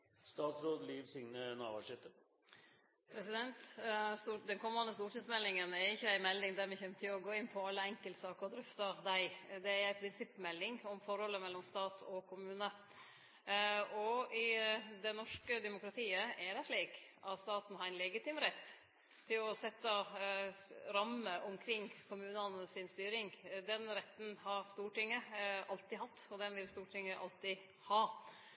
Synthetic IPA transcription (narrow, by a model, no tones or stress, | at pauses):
st̪ɑːt̪sɾoːd̪liːʋsɪŋnənɑ̰ːʋɑʂɪt̪ə | pʰɾɛsɪd̪ɛnt̪st̪ud̪ɛnkʰɔmːɑnəst̪uːʈiːsmɛlːɪŋənɛɾɪçːəæɪmɛlːɪŋd̪æɾmɛçɛmt̪ʰɪɔɡoːɪnːpʰɔɑlːəɛŋkəlt̪sɑːkəɾɔd̪ɾʏft̪ɑd̪æɪd̪ɛæɾæɪpʰɾɪnsɪpːmɛlːɪŋɔmfɔɾhɔlːəmɛlːɔmst̪ɑːt̪ʰɔkʰʊmʉːnə | ɔɪd̪ɛnɔʂkəd̪ɛmʊkɾɑt̪ʰiːəɛɖɛʂɭiːkʔɑt̪st̪ɑːt̪n̩hɑɾɪnlɛɡət̪ʰɪmɾɛt̪ː | t̪ʰːɪlɔsɛt̪ːə | ɾɑməʔʊmkʰɾɪŋːkʰʊmʉːnənəsɪnst̪yːɾɪŋd̪ɛnɾɛt̪ːn̩hɑɾst̪uːʈɪŋːəɑlt̪ɪhɑt̪ːɔd̪ɛnʋɪlst̪uːʈʰɪŋːəʔɑ̰lt̪ɪ | hɑː